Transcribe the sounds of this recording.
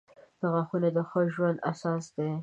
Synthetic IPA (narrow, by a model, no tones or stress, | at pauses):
d̪̥aɣaxunad̪əxəʒwand̪a̰sɑs̬d̪e